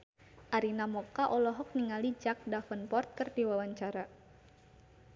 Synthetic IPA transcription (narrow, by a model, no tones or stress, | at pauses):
ʔaɾinamɔkaʔɔlɔɦɔk̚niŋalid͡ʒak̚dafənpɔrt̪̚kərd̪iwawaɲt͡ʃaɾa